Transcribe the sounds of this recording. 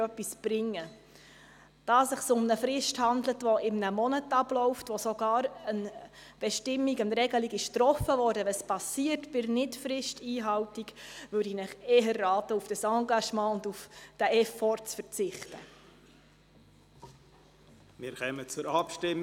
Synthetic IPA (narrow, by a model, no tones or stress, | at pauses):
œpːisb̥ɾɪŋːə | d̥ɑːsɪχsʊmnəfɾɪʃthɑndlətʋɔɪmnəmɔnətɑblɔʊftʋɔsɔɡ̥ɑːɾənb̥ɛʃtɪmːiɡənɾɛɡəliɡɪʃtɾɔfəvɔːɾdəʋɛspɑsiːərtb̥ɪrnɪtfɾɪʃtiːɦɑwtikʋʉɾdinɪχɛːɦərːɑːtəufd̥əsɑŋɡɑʃmɑ̃ːʊndufd̥əʔɛfɔrt͡sfəɾt͡sɪχtə | mɪɾkɛːmət͡sʊɾɑpʃtɪm